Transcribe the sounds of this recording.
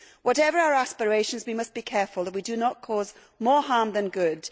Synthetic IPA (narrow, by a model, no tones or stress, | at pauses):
wɒɾɛvə˞aʊəɹaspəɹeɪʃə̃nzwimʌsb̥ikʰɛɹfəlˠðəʔwidɨnəʔ̚kʰɔz | mɔːɹhɑɹmðə̃nɡʊd̥